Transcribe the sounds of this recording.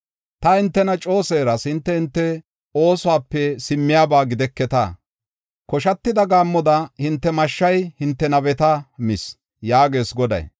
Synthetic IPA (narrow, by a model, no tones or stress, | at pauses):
t̪ɐhɪnt̪ːɛnɐt͡ʃʼo̞ːseːɾɐshɪnt̪ːɛhɪnt̪ːɛ | o̞ːsʊwaːpːɛsɪmːɪjaːbaːɡɪd̪ɛkːɛt̪a̰ː | kɔʃɐt̪ːɪd̪ɐɡaːmːɔd̪ɐhɪnt̪ːɛmɐʃːɐjhɪnt̪ːɛnɐbɛt̪ɐmɪs | jaːɡe̞ːsɡɔd̪ɐ̰j